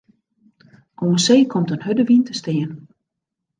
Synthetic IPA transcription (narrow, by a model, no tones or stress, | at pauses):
ʔoənseːkʰɔmtənɦødəʋintəstɪːən